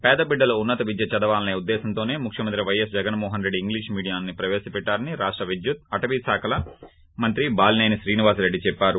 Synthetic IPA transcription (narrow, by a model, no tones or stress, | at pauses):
pɛːd̪ɐbiɖːɐlɐːunːɐt̪ɐʋid̪jɐt͡ʃɐd̪ɐʋaːlɐneːud̪ːɛːsɐnt̪oːne̞ːmukʰjɐmɐnt̪ɾiʋɐjɐs̬d͡ʒɐɡɐnmɔːɦɐnɾe̞ɖːiːŋɡliːʂmiːɽijaːnːipɾɐʋeːsɐpɛʈːaːɾɐniɾaːʂʈɾɐʋid̪jut̪̚ɐʈɐʋiːsaːkʰɐlɐ | mɐnt̪ɾibaːlnɐjniʃɾiːniʋaːsɾeɖːit͡ʃɛpːaːɾu